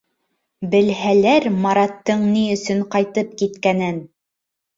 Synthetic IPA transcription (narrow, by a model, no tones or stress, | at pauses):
bɘ̆lɦælæɾmɑɾɑt̪ːɤɴniɵ̆sɵɴqɑjt̪ɤp̚kit̪kænɘn